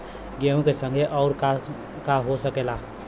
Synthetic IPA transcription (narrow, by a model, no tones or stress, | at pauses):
ɡeũkesə̃ŋɡʱeʔɔʊɾk | kaɦosəkela